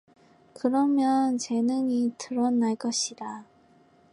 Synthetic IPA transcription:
kɯɾʌmjʌnt͡ɕe̞nɯŋitɯɾʌnːaɭk͈ʌɕʰida

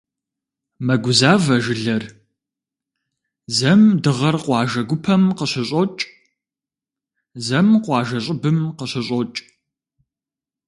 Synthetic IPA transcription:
mɐɡʷʊzaːvɐʒɪɮɐr | zɐmdɨʁɐrqʷɑːʒɐɡʷʊpʰɐmqəɕɪɕʼot͡ʃʼ | zɐmqʷɑːʒɐɕʼɪbɨmqəɕɪɕʼɔt͡ʃʼ

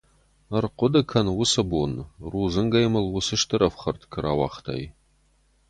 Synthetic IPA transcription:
ɐrqʷʊdɐkʰɐnwʊsɐbonruːzɨŋɡɐjmɨlwʊsɨʂtʰɨɾɐfχɐrtʰkʰɨɾawɑ̰χtʰa̰j

